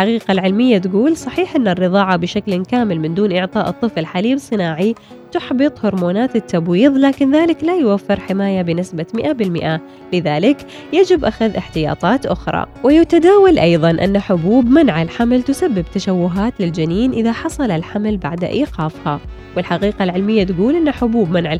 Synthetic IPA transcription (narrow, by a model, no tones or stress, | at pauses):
ɪlħaqiːqalʕɪlmɪjːat̪ɡuːlsˤɑħiːħʔɪnːarːɨðˤɑːʕabɪʃaklkaːmɪlmɪnd̪uːnʔɪʕt̪ˤɑːʔɨt̪ˤːɨfɪlħaliːbsˤɨnaːʕi | t̪ʊħbɨt̪ˤhʊɾmoːnaːt̪ɪt̪ːabwiːðˤlaːkɪnðaːlɪklajʊwafːɪɾħɪmaːjabɪnɪsbamɪʔabɪlmɪ̰ʔa | lɪðaːlɪk | jad͡ʒɪbʔaxaðʔɪħt̪ɪjɑ̰ːt̪ˤɑːt̪ʔʊxɾˤɑ̰wɪjat̪ad̪aːwalʔɑjðˤɑnʔɪ̰nːaħʊbuːbmanʕalħamlt̪ʊsabːɪbt̪aʃawːʊɦaːt̪lɪld͡ʒaniːnʔɪðaħɑsˤɑlalħamlba̰ʕd̪a̰ʔḭːqɑːfha | wɪlħaqiːqalʕɪlmɪjːat̪ɡuːlʔɪnːaħʊbuːbmanʕa